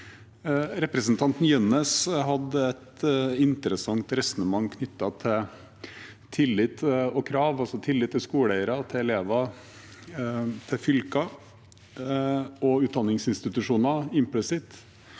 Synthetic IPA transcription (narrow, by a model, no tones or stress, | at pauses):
ɾɛpɾəsnt̪ʰɑnt̪n̩jœnəsɦɑd̪əɛt̪ɪnt̪ɾəsɑŋt̪ɾɛsɔnəmɑŋːkʰnʏt̪ːɑt̪ʰɪ | t̪ʰɪlːɪt̪ɔkʰɾɑːʋɑlsɔt̪ʰɪlːɪt̪ʰːɪlskuːlæɪəɾɑt̪ʰɪɛleːʋɑ | t̪ʰɪfʏlkɑ | ɔʉːd̪ɑnːɪŋsɪnst̪ɪt̪ʉʂuːnɑɪmplɪsɪt̪